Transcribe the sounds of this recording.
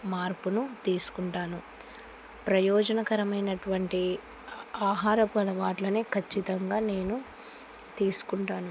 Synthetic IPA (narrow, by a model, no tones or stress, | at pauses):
maːɾpunut̪iːsu̥kuɳʈaːnu | pɾɐjɔːd͡ʒɐnɐkɐɾɐmɐjnɐʈuʋɐɳʈi | aːɦaːɾɐpɐlɐʋaːʈlɐneːkʰɐt͡ʃːit̪ɐŋɡaːne̞ːnu | t̪iːsu̥kuɳʈaːnu